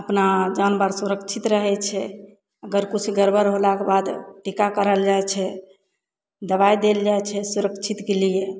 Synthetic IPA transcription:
əpnad͡ʒanbaɾsuɾəkt͡ʃʰit̪ɾəɦɛt͡ʃʰɛ | əɡəɾkut͡ʃʰɡəɾbəɾɦolakebad̪ʈikakəɾəld͡ʒajt͡ʃʰɛ | d̪əβajd̪eld͡ʒajt͡ʃʰɛsuɾəkt͡ʃʰit̪kelije

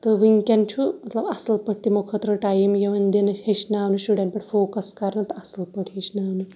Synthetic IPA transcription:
t̪əʋiŋkʲant͡ʃʰumɐt̪lɐbɐsɐlpəʈ̚ʰt̪imokʰət̪ɾəʈajmjeʋɐnd̪enɐheʃnaːʋnuɕuɽeɳʈpɐʈʰfoːkɐskaɾnɐt̪ɐsɐlpəʈʰɦit͡ʃnaːʋnu

